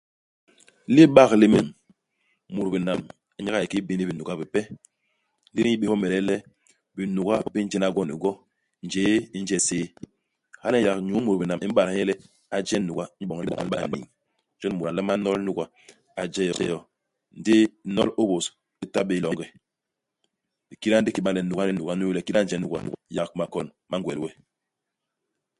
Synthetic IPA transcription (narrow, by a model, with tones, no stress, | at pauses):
li˦ɓa˦˨kli˦me˦m | mu˨ɾbi˨na˨m˦ | ɲa˦a˦ji˨ki˦bi˦ni˦bi˨nu˨ɡa˦bi˨pɛ˦ | li˦ɾi˦i˦ɓe˨hɔ˦mɛ˨ɾɛ˦lɛ˦ | bi˨nu˨ɡa˦bi˨pi˦n̩˦d͡ʒɛ˦na˦ɡɔ˦˨nḭ˨ɡɔ˦ | n˨d͡ʒeː˦i˦n˦d͡ʒɛ˦seː˦ | ha˦nɛ˦ja˨kɲu˦mu˨ɾbi˨na˨mʔi˦m̩˦ɓa˨ɾjɛ˦lɛ˦ | a˨d͡ʒɛ˦nu˨ɡa˦ɲi˦ɓɔ˨ŋ˦ɔ̰˨a̰˦ɓa̰˦˨nḭ˨ŋ | d͡ʒɔ˦n˦mu˨ɾa˨lɛ˦ma˦nɔ˦lnu˦ɡa˦ | a˨d͡ʒɛ˦jɔ̰˦jɔ˦ | n̩˨˦di˦nɔ̰˦lo˦bo˨s | i˦ta˦ɓe˨˦lɔ˨ŋɡɛ˨ | i˨ki˦ɾa˦n˦di˦ki˨ɓa˦˨lɛ˨nu˨ɡa˦lɛ˦˨nu˨a˦nu˦lɛ˦˨ki˦ɾa˦n˦d͡ʒɛ˨˦nu˨ɡa̰˦ja˨kma˨kɔ˨n | ma˦ŋ˦ɡwɛ˨lwɛ˦